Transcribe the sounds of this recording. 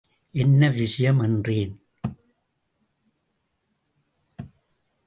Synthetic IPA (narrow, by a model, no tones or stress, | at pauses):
ɛnːɐʋɪʂɪjɐmɛndriːn